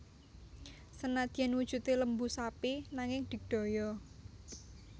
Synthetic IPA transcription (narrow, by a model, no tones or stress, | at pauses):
sənad̪̥i̤ɛnwud̥ʒ̥ṳt̪eləmbusapinaŋɪŋd̪̥i̤ɖ̥o̤jɔ